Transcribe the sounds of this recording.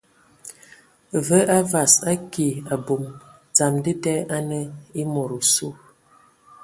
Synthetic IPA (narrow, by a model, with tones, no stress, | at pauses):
və˦ʔa˦va˨sa˦ki˨a˨bu˨mt͡sa˨mdə˦tɛ˦ʔa˦nə˦i˦mo˨ɾu˨su˦˨